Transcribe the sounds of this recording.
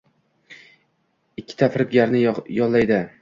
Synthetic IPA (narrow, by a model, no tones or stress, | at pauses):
ɪkʲʰːɪ̥t̪ʰafɾɪpɡʲaɾnɪjɒllːajd̪ɪ